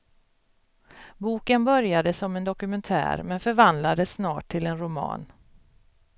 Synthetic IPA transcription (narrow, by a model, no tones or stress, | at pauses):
buːkənbœɾjad̪əsɔmɛnd̪ɔkɵmɛnt̪ʰæ̰ːɾmɛnfœɾvand̪lad̪əsnɑːʈʰːɪlɛnɾʊmɑ̰ːn